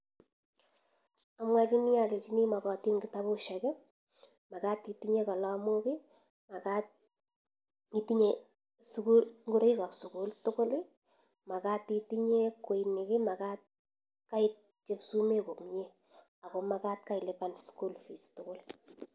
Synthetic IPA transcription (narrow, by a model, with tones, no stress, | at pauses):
amwa˦t͡ʃi˦nɪ˦ja˨le˨t͡ʃi˦ni˦ma˨kɔ˨ti˦ŋɡɪ˨ta˦bʊ˦ʃa˨kɪ˦ | ma˨kaː˦ti˨ti˦ɲe˦ka˨la˦mʊ˦kɪ˦ | ma˨kat̚ | i˨ti˦ɲe˨ | skulŋɡʊ˦ɾɪ˦ka˨psʊ˨ku˦ltʊ˦kʊ˦lɪ˦ | ma˨ka˦ti˨ti˦ɲe˦ko˨inɪ˨kɪ˦ma˨ka˦t̚ | ka˦ɪt̚ | t͡ʃe˦psu˦me˦kʊ˨mɲe˦ | a˨kɔmakaː˦t̚ka˦ɪ˨le˨pansku˦lfi˨stʊkʊ˦l